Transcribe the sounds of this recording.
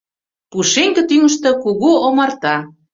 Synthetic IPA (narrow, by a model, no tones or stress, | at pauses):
puʃeŋkĕt̪yŋə̆ʃt̪ɤ̆kuɣuomɑrt̪ɑ